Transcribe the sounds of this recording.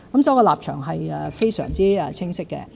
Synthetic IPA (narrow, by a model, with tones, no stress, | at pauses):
kɐ˨˦msɔː˨˥jkɔː˧laː˨p̚t͡ʃʰœ̰ː˨˩ŋɦɐ˨jɛ˨fe˥jsœ̰ː˨˩ŋt͡siː˥ɛ˧t͡sʰɪ˥ŋsɪ˥kːɛ̰˧